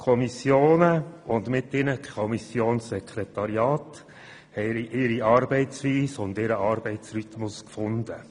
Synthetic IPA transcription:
kʰɔmisjoːnəʊnd̪mɪt̪ɪnəkʰɔmisjoːnsːɛkʰɾɛt̪ɑɾiɑːt | hɛɪɾiʔɪɾiɑɾbɛɪtsʋiːsʊnd̪ɪɾəɑːɾb̥ɛɪtsɾyt̪mʊskfʊnd̪ə

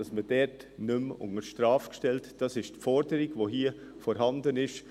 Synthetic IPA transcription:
ɑsməd̥ɛtnʏmʊ̰ŋəɾʃtɾɑːfkʃtɛltd̥ɑsɪʃtfɔɾdəɾɪɡvoːɦiːə | fɔɾɦɑndənɪʃ

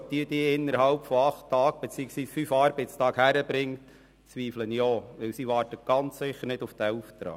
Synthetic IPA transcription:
t̪iətiːɪnːəɾhɑlpfɔɑχtʰːɑːk̚b̥ɛt͡siəksʋiːsfyfɑɾbɛɪtstɑːkhæɾəbɾɪŋt | t͡sʋiːflənjɔːʋɪwsiʋɑːɾtət̚ɡ̥ɑnt͡ssɪχəɾnɪduftæːuft̪ɾɑ̰ː

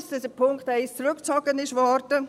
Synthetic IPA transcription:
sd̥̪ɛsdəpʰʊŋktæɪst͡sɾʊkt͡sɔɡənɪʃʋɔɾdə

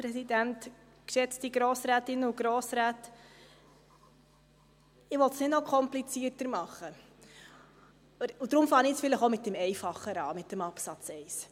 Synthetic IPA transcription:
pɾɛsidænt | kʃɛt͡stiɡɾoːsɾæːtɪnːəuɡ̥ɾoːsɾæːt | ɪʋɔltsnɪdnɔkʰɔmplit͡siərtəɾmɑχːə | ud̥̪ɾʊmfɑːnɪsfɪləχomɪt̚dɛmɛjfɑχːəɾɑ̰ːmɪt̚dəmɑpsɑt͡sɛɪs

